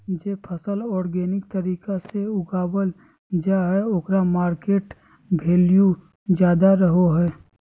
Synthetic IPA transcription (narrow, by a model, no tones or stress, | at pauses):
d͡ʒeːpʰəsəlɔːɾɡeːnɪk̚t̪əɾiːkaseʊɡaːbəl | d͡ʒaɦɛoːkɾamaːɾkeːʈ | bʱeːliju | d͡ʒjaːd̪aɾəɦoɦɛː